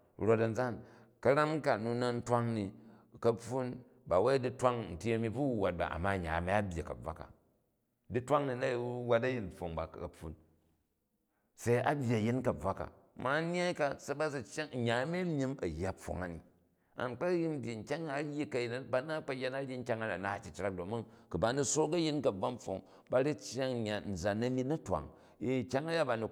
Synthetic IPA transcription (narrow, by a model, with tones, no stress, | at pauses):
ɾo˨tɐ˨n̩˦d͡za˦˨n | kɐ˦ɾa˦mka˨nu˧na˦n̩˦tʷa˦ŋni˨kɐ˦pu˦n | ba˨we˦di˦tʷa˦ŋn̩˨tʲi˦ɐ˦mi˦bu˦˨wa˨t̚ba̰˨ʔa̰˨mːa˦˨ɲa̰˨ma˦a˦bʲji˨kɐ̰˨b͡va̰˦ka̰˨ | di˦tʷa˦ŋni˨na˦i˨˦wa˦t̬ɐ˦ji˦nɸo˨ŋba̰˨kɐ˨pːṵ˨˦n | se˦i˦a˨bʲji˨ɐ˨ji˦nkɐ˨b͡va˦ka̰˨ | ma˨˦ɲ˦a˦ka˦sa˦ba˦si˨t͡ʃːa˦ŋ̩˨ɲa˨˦me˦mʲi˦mɐ˨jːa˦˨p͡fːo̰˨ŋa̰˨nḭ˨ | a̰˨nk͡pa˦ji˦m˦bʲji˨ŋ̩˨kʲa˦ŋa˨˦jːi˦kɐ˨ji˨n˦ba˦na˦k͡pa˦je˦na˦ji˦ŋ̩˦kʲa˦ŋa˨na˨na˨t͡ʃi˦t͡ʃɾa˦k̚do˨mu˦ŋku˨ba˨ni˦so˦ɾkɐ˦ji˦nkɐ˨b͡va˦m˦ɸo̰˨ŋ | ba˨ɾi˦t͡ʃa˦ŋ˨ɲa˨n̩˨za˨nɐ˦mi˦nɐ˦twa̰˨ŋ | i˦˨kʲa˦ŋa˦ja˦ba˨ni˨